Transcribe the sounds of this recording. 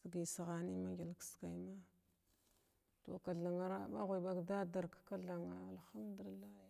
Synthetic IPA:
ɡi˨sa˨ɣa˨ni˦ma˦ŋɡi˨lkska˨jma˦ | to̰˨ka˨ɮa˨ŋa˦ɾa˦ɓa˦ɣʷa˨jɓa˦ɡda˦da˨ɾkka˦ɮa˨ŋa˨a˨lxa˦mdu˨i˨lːa˦

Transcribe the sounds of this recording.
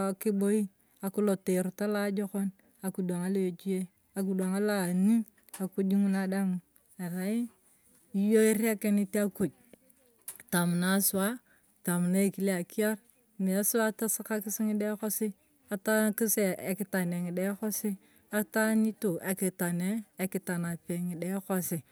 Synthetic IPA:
ki˦bo˦ji˦ | a˨ku˦lo˨te˨ɾu˨ta˦la˦d͡ʒo˦ko˦n | a˨ku˨do˨ŋa˦lo˦jo˨d͡ʒi˦je˦ | a˨k̬u˨da˨ŋa˦la˨ni˦ | a˨ku˦d͡ʒi˦ŋu˦na˨da˦m˨ | a˨ɾa˨i˦ | i˦jo˦i˦ɾi˦a˦ke˦ni˦ti˦a˦ku˨d͡ʒ̚ | ta˨mu˨na˨˦su˨wa˦ | ta˨mu˨na˦e˦˨ki˦le˦a˨ki˦a˦ɾ | mi˨a˦su˦wa˦ta˦si˦ka˦ki˦si˦ŋi˦de˦ko˦si˦ | a˨ta˦ki˦se˦ḛ˨ki˦ta˨ne˨ŋi˨de˦ko˦si˦ | a˦ta˦ni˦tu˨ʔa˨ki˨ta˨neː˦˨ki˨ta˨na˨pe˨ŋi˨de˦ko˦si˨

